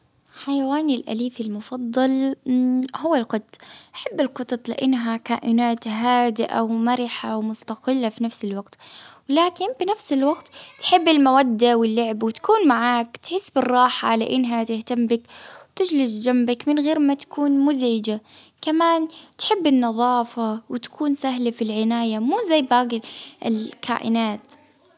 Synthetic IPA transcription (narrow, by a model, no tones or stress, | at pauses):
ħajawaːnɪlʔa̰liːfɪlmʊfɑd̪ˤːɑl | hʊwːalqʊd̪ˤʔʔaħabːɪlqɨt̪ˤɑt̪ˤlɪ̰ʔɪnːɦakaːʔɪnaːt̪ɦaːd̪ɪʔa̰wmaɾɪħawmʊst̪aqɪlːafinafsɪlwaɡt̪wlaːkɪnfinafsɪlwaɡt̪t̪ħɪbːɪlmawad̪ːawɪlːʊʕbwɪt̪ḁkuːnmaʕaːkt̪ħɪsːbɪrˤːɑːħaʕla̰ʔɪnːɦat̪ɪht̪ambɪkwt̪ɪd͡ʒlɪsd͡ʒambakmɪnɣeːɾmat̪ḁkuːnmʊzʕɪd͡ʒakamaːnt̪ħɪbːɪnːɑðˤɑːfawɪt̪ḁkʰuːnsaɦlafilʕɪnaːjamuːzajːbaːɡɪʔɪlkʰa̰ːʔɪ̰naːt̪